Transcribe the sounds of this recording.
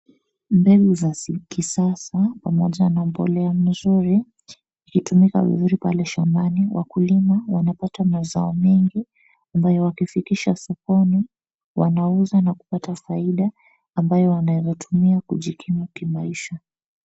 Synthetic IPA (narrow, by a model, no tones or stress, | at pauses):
mbɛɡuzakisasapamɔʄanam̩pɔ̰lɛam̩zuɾi | ikitumika̰vḭzuɾipalɛʃambaniwʔa̰kulimawanapatamaza̰ɔmɛŋɡi | ambajɔwakifikiʃasɔkɔni | wanauzanaku̥patafaiɗaː | mbajɔwanaɛjɔtʰumiakuʄikʰimukimaiʃa